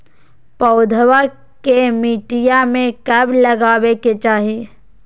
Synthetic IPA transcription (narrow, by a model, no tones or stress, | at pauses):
pəʊd̪ʱwa | kemiːʈijamẽkəblɐɡaːweket͡ʃaːɦie